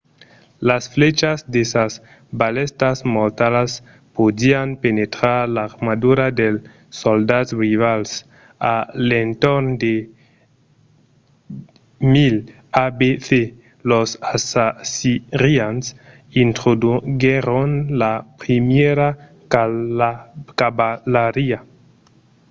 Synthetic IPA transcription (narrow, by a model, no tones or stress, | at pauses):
lasflet͡ʃasd̪esas | balest̪asmoɾt̪alas | pod̪ianpenet̪ɾaɾlaɾmad̪uɾad̪el | sold̪atrivals | alent̪ond̪e | mil | abeθe | losasasiɾians | int̪ɾoɡeɾonlapɾimeɾa | kabalaɾia